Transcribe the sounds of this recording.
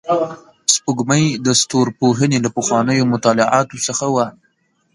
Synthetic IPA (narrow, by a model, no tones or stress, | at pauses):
spuɡməjd̪əst̪oɾpoɦənelapəxwɑnəjomʊt̪ɑlɪʕɑt̪osəxawa